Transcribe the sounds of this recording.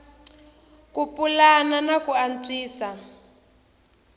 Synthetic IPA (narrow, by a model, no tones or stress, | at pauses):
kupʼulananakuan̩t͡siːsa